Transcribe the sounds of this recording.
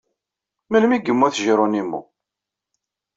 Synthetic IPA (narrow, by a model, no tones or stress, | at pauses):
məlmiɡəmːæθʒɾˤonimːṵ